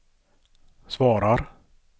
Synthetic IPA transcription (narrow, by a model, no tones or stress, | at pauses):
svɑːɾaɾ